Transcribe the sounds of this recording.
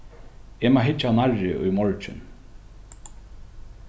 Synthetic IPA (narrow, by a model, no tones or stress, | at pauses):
emaɦɪt͡ʃːanarɪʔṵjmɔɹt͡ʃɪ̰n